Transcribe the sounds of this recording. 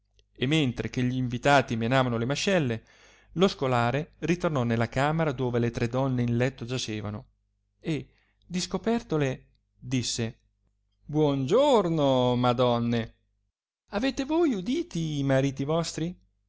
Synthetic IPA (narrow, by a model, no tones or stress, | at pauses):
emːent̪ɾek̟eʎiːɱvit̪aːt̪imenaːvanolemaʃːɛlːe | loskolaːɾerit̪ornɔnelːakaːmeɾad̪oːvelet̪ɾed̪ɔnːeinlɛt̪ːod͡ʒat͡ʃeːva̰no | e | d̪iskopɛrt̪ole | d̪isːe | bwɔnd͡ʒornomad̪ɔnːe | aveːt̪evojud̪iːt̪iːmaɾiːt̪ivɔst̪ɾi